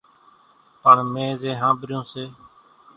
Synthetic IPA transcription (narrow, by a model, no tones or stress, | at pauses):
pəɳmẽːzeːɦãːbɾjõːseː